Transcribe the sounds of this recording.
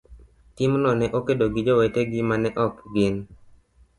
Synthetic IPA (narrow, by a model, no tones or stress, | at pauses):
tɪmnɔnɛʔokedoɡɪd͡ʒoweteɡɪmanɛʔɔkɡɪn